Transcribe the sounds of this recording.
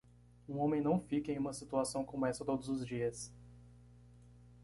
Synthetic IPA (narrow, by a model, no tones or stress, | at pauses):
ũõmẽj̃nɐ̃w̃fikɐẽj̃ũmɐsit̪uasɐ̃w̃kõmɛsɐt̪od̪ʊzʊzd͡ʒiɐs